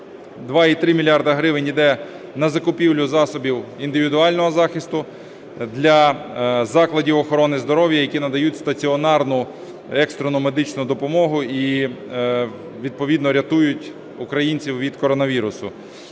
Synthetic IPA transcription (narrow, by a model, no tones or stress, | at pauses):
d̪ʋɑit̪ɾɪmʲilʲjɑrd̪ɐɦɾɪʋɪnʲid̪ɛ | nɐzɐkʊpʲiwlʲʊzɑsɔbʲiwind̪ɪʋʲid̪ʊɑlʲnɔɦɔzɑxɪst̪ʊ | d̪lʲɐzɑklˠɐdʲiwɔxɔɾɔnɪzd̪ɔɾɔwjɐjɐkʲinɐd̪ɐjutʲst̪ɐt͡sʲiɔnɑrnʊ | ɛkst̪ɾɔnʊmed̪ɪt͡ʃnʊd̪ɔpɔmɔɦʊi | ʋʲid̪̚pɔʋʲid̪nɔɾʲɐt̪ujʊtʲ | ʊkɾɐjinʲt͡sʲiwʋʲid̪kɔɾɔnɐʋʲiɾʊsʊ